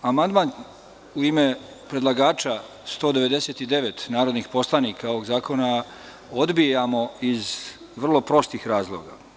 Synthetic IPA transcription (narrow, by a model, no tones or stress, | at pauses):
amand̪man | uime | pɾe̞d̪lˠaɡaːt͡ʃa | st̪o̞ːd̪eʋe̞d̪e̞set̪id̪e̞ʋet̪naːɾo̞d̪nixpo̞slˠanikʰao̞ʋo̞ɡzaːko̞na | o̞d̪bijamo̞iz | ʋr̩lˠo̞pɾo̞st̪iːxɾaːzlˠoːɡa̰